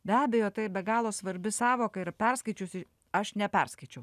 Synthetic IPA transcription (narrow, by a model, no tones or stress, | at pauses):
bʲæːbʲɛjoːt̪ɐɪɪbʲɛɡɑːlˠoːsʋɐɾʲbʲɪsɑːʋoːkɐɪɾpʲɛɾskɐɪt͡ʃʲʊsʲɪ | ɐʃnʲɛpʲɛɾskɐɪt͡ʃʲɛʊ